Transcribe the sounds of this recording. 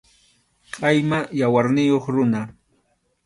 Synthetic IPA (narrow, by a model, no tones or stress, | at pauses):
qʼɑjmajawaɾnɪjoχɾʊna